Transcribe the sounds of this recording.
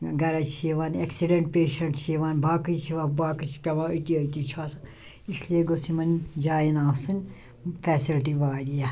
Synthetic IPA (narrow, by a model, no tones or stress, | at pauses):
ɡɐɾɐt͡ʃʰijeʋaːneksiɖeɳʈ̚peːʃɐɳʈt͡ʃʰijeʋaːnbʱaːkɨt͡ʃʰiʋaːbaːkɨt͡ʃʰi̥pʲɐʋãət̪iɐt̪it͡ʃʰaːsɨ | islieɡosimɐnd͡ʒaːjinaːwsɨnʲ | pʰɛːsilʈiʋaːɾija